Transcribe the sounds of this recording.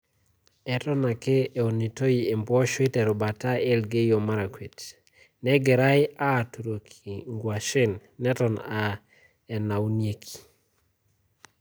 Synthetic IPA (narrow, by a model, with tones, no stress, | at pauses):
ɛ˨tɔ˦na˨ke˦e˨o˨ni˨to˦i˨e˨mbɔ˦ʃwe˦tɛ˨ɾɔ˨ba˨ta˦ɛ˦lɡe˦jo˨ma˦ɾa˨kwe˨t | nɛ˦ɡɛ˨ɾa˦ɪ˦a˦˨tu˨ɾo˨kʰi˨ŋɡwa˨ʃɪ˦nːɛ˦tɔ˨na˨ | ɛ˨na˨u˦nje˦kʰi̥˨